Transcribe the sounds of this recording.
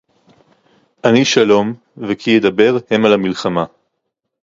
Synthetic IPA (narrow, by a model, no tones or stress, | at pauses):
ʔaniʃalo̞m | vekʰijed̪abe̞ʁhe̞malamilχama